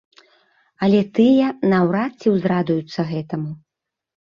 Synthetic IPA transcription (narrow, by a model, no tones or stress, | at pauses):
ɐlʲɛt̪ɨjɐnɐwɾat̪t͡sʲːiwzrad̪ujut̪sːɐɣɛt̪ɐmu